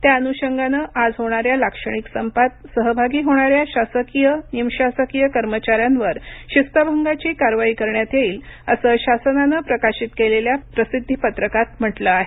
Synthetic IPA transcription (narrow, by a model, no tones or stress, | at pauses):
t̪jaənuɕəŋɡanəʔad͡zɦoɽ̃aɾjalakʂəɽ̃iksəmpat̪̚səɦəbʱaɡiːɦoɽ̃aɾjaɕasəkijənimɕasəkijəkəɾmət͡ɕaɾjanʋəɾɕist̪əbʱəŋɡat͡ɕiːkaɾʋaiːkəɾɳjat̪eiːləsəːɕasənanəpɾəkaɕit̪keleljapɾəsid̪ʱːipət̪ɾəkat̪m̤əʈləaɦe